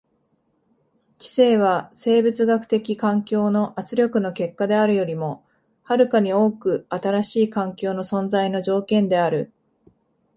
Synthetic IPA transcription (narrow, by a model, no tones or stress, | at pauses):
t͡ɕi̥se̞ːβ̞ase̞ːbɯ̟t͡sɨɡakɯ̟̥t̪e̞kʲikãŋkʲo̞ːno̞ʔat͡sɨɾʲjo̞kɯ̟no̞ke̞kːad̪e̞aɾɯ̟jo̞ɾʲimo̞ | haɾɯ̟kaɲ̟io̞ːkɯ̟at̪aɾaɕiːkãŋkʲo̞ːno̞sõ̞nd͡zaino̞ʑo̞ːkẽ̞nd̪e̞aɾɯ̟